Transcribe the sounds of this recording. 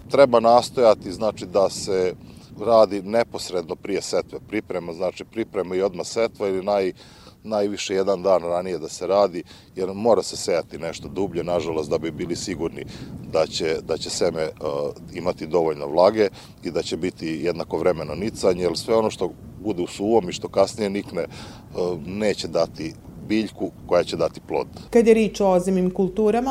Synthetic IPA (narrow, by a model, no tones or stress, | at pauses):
t̪ɾe̞banaːst̪o̞jat̪iznaːt͡ʃid̪ase̞ɾaːd̪ine̞po̞sɾe̞d̪no̞pɾije̞se̞t̪ʋepɾipɾe̞maznaːt͡ʃipɾipɾemaio̞d̪mase̞t̪ʋailinaj | naːjʋiʃejed̪and̪aːnɾanije̞d̪aseɾaːd̪i | jeɾmo̞ːɾasesejat̪ineʃt̪o̞d̪ubʎenaʒalˠo̞st̪d̪abibiːlisiɡuɾnid̪at͡ɕed̪at͡ɕese̞meimat̪id̪o̞ʋoʎnoʋlˠaːɡe̞ | id̪at͡ɕebit̪ijed̪nako̞ʋɾe̞me̞nonit̪saɲeilsʋe̞o̞no̞ʃt̪o̞bud̪eusuːʋo̞miʃt̪o̞kasnije̞nikne | ne̞ːt͡ɕed̪at̪ibiːʎkuko̞jat͡ɕed̪at̪i̥plˠo̰d̪̥kad̪jeɾiːt͡ʃoozemimkulˠt̪uːɾama